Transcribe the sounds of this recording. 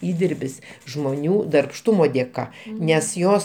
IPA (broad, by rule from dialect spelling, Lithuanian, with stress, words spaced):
ˈiːdʲɪrʲbʲɪs ʒmoːˈnʲuː dɐrpˈʃtʊmoː dʲeːˈkɐ nʲɛs ˈjoːs